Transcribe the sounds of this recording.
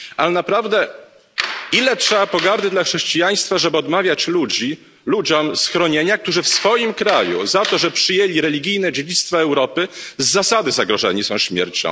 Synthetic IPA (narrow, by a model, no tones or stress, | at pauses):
ʔalɛnapɾavd̪ɛ | ilɛtʂɛbapɔɡaɾd̪ɘd̪laxʂɛɕt͡ɕijaj̃st̪faʐɛbɘɔd̪mavʲjat͡ɕlud͡ʑi | lud͡ʑɔmsxɾɔɲeɲak̚t̪uʐɘfsfɔjimkɾajṵzat̪ɔʐɛpʂɘjelʲiɾɛlʲiɡʲijnɛd͡ʑed͡ʑit̪st̪faɛwɾɔpɘzːasad̪ɘzaɡɾɔʐɛ̰ɲisɔ̃w̃ɕmʲjɛ̰ɾt͡ɕɔ̰̃